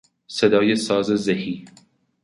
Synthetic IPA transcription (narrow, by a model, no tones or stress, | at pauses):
sɐd̪ɒːjesɑːzezehiː